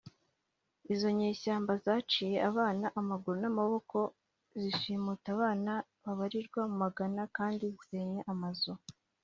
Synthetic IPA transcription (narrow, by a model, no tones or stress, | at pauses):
izo̞ɲe̞ːʃaːmbazaːt͡ʃiːje̞ʔaβaːnaʔamaɡuɾonamaβo̞kʰo̞ | ziʃiːmutaβaːna | βaβaɾiɾɡwamumaɡanakaːndizize̞ːɲeʔamazo